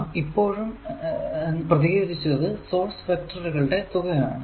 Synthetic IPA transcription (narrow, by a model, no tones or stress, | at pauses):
ipːo̞ːɻum | enːprɐðiɣed̪ʱit͡ɕːunɐðɨso̞ːrsfɐk̚ʈrɐɾuɣɐɭuɖe̞t̪uɣɐjaːɳɨ